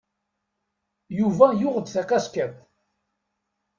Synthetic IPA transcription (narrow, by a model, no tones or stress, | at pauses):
juvæjʊʁəd̪θækæskækʷ